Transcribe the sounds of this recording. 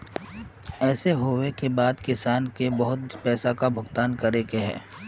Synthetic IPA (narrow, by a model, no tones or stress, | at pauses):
ɛːseɦoːwekebaːd̪kɪsaːnkebɐɦʊt̪pɛːsakabʱʊɡt̪aːnkɐɾeːkeɦɛ̰ː